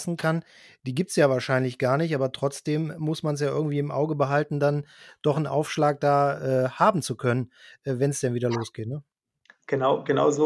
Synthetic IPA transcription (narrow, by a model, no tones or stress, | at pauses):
sn̩kʰan | d̥iːɡiːp̚tsjaːvaːɐʃaɪnlɪçɡ̥aːɐnɪçtʔaːbɐtʁ̥ɔt͡sd̥eːmːʊsmans̬jaːʔɪɐɡŋ̩tv̥iːɪmʔa̰ʊɡəbəɦaltn̩dand̥ɔχn̩ʔa̰ʊfʃlaːk̚d̥aːʔɛːhaːbm̩t͡sukʰœnənʔɛːvɛnsd̥ɛnviːdɐloːsɡ̥eːtnə | ɡ̥ənaʊɡ̥əna̰ʊzo